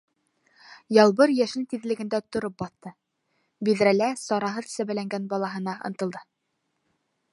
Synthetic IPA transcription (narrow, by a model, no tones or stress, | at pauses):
jɑlˠβɤɾjæʃɘnt̪iðlɘ̆ɡɘ̆nd̪æt̪ŏɾop̚bɑθt̪ɤ | biðɾælæsɑɾɑɦɤðsæβælæŋɡænbɑlˠɑɦɤ̆nɑʔɤ̰̆nt̪ɤ̆lˠd̪ɤ